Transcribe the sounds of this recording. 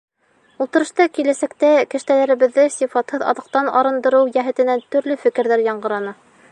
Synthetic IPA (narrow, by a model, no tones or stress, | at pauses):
ulˠt̪ɤ̆ɾɤ̆ʃt̪ɑkilæsækt̪ækɘ̆ʃt̪ælæɾɘ̆βɘ̆ðːɘsifɑt̪hɤðɑ̰ðɤ̆q̚t̪ɑnɑ̰ɾɤ̆nd̪ɤ̆ɾɤwjæɦɘ̆t̪ɘ̆nænt̪ɵ̆ɾlɵfɘ̆kɘ̆ɾðæɾjɑɴɢɤ̆ɾɑnɤ